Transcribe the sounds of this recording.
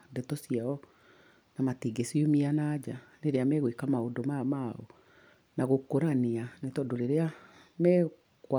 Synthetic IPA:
ndɛtɔsiaɔ | namatiɡesiomianaːd͡ʑaneɾeamɛɣwekamaodomamaɔ̰ | naɣokoɾaneanetɔdoɾeɾea | mɛ | kwa

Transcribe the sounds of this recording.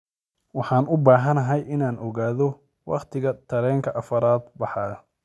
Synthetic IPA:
wɑħɑːnʔʊbaːɦɐnɐɦɛjʔɪnaːnʔɔɣaːðɔ | wɑ̰qt̪ʰɪɣɐt̪ʰɐɾɛːŋkʰɐʔɐfɐɾaːd̪bɑħɑː

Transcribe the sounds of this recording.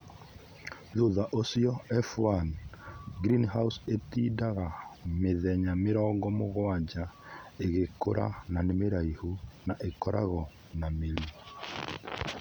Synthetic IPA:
ðoðaʔosjɔɛfwanɡɾinɦausetiːdaɣameðɛɲameɾɔːŋɡɔmoɣwad͡ʑaeɣeko̰ɾʔa̰nanemeɾaihunaʔekɔɾa̰ɣɔ | nameɾu

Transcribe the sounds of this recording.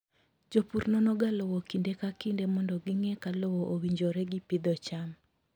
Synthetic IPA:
d͡ʒopuɾnɔnɔɡalɔwɔkindekakindemɔndɔɡɪŋɛkalɔwɔʔowiɲd͡ʒoɾɛɡipɪd̪ɔt͡ʃam

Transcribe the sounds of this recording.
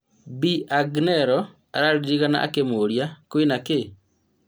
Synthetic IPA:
biʔaɡnɛɾɔ | aɾaɾiɾiɣana̰ʔa̰kemoɾjakoinake

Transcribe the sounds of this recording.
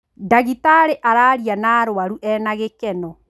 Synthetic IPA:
daɣitaɾeʔaɾaɾianaɾowaɾuʔɛnaɣekɛnɔ

